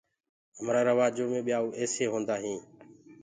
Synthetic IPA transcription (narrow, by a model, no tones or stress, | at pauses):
əmɾaːɾəʋaːd͡ʒoːmẽːɓɪjaːuːʔeːseːɦõːnd̪aːɦĩː